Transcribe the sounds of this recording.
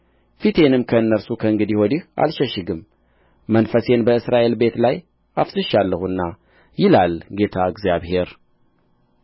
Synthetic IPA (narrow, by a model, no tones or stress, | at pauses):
fit̪ʰe̞nɨmkʰəɨnːəɾsukʰəɨŋɡɨd̪ihod̪ihʔa̰lʃəʃɨɡɨmː | ənfəse̞nbəɨsɾaʔe̞lbe̞t̪laj | afsɨʃalːəhuɨnːa | jɪlalɡe̞t̪ʰaɨɡzijaβhe̞ɾ